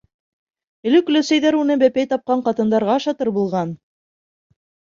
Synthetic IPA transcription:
ɘ̆lɘk̆lɵsæjðæɾunɤbæpæjt̪ɑp̚qɑɴqɑt̪ɤ̆nd̪ɑɾʁɑɑʃɑt̪ɤɾbulˠʁɑn

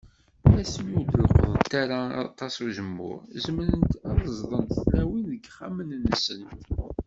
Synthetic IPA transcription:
æsmjuləlqəðˤənt̪aɾaɑ̰t̪ˤːɑsuʒəmːʊ̰ɾzəmɾənt̪ɑðˤəzˤðˤənt̪θlæwinðəɡχamənnːəsən

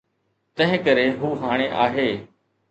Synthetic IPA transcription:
t̪ə̃ɦɪ̃kəɾeːɦuːɦaːɽ̃eːʔaːɦeː

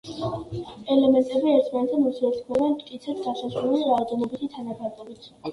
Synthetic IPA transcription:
ɛlɛmɛnt̪ʼɛbiɛɾt̪ʰmanɛt̪ʰɛmɔsɛt̪sʰlˠɔbɛnmt̪kʼit̪sʰɛt̪ʰɡasasɾuliɾad͡ʒ̪ɔnɔbit̪ʰit̪ʰanabaɾd̪ʼɔbit̪ʰ

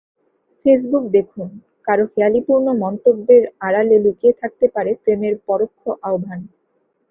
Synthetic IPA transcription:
fes̬buk̚d̪ekʰun | kaɾohealipuɾnomɔnt̪obːeɾaɾalelukiet̪ʰak̚t̪epaɾepɾemeɾpɔɾokʰːoʔaobʱan

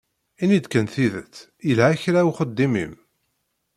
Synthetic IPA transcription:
inid̪kənθiðət͡sː | ilæːçɾæuχəd̪ːimḭm

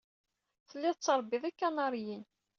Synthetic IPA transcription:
θəlːɪðt͡sːəɾˤbːiðˤikːanɑɾˤjin

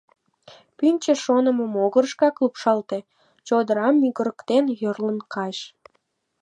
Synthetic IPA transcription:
pynʲt͡ɕə̆ʃonəməmoɣərʃkɑklupʃɑlt̪e | t͡ɕod̪əɾɑmːyɣəɾəkt̪enjərlənkʰɑʒ

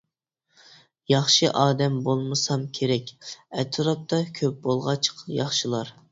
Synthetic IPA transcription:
jɑχʃɨʔɑːd̪ɛmbolˠmɨsɑmkʲʰeɾɛkʲɛt̪ʰɨɾɑp̚t̪ʰɑkʲʰøp̚bolˠʁɑt͡ʃʰqjɑχʃilˠɑɾ

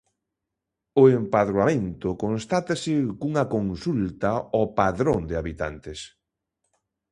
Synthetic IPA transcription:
ʊempaðɾwamẽnt̪ʊkonst̪at̪asɪkuŋakonsult̪aɔpaðɾoŋd̪ɪaβit̪a̰nt̪ɪs

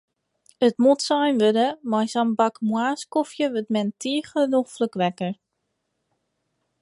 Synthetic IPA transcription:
ətmutsajnʋødəmajsanbakmwaːskofjəʋøtmɛntʰiəxəənɔxfløkʋɛkər

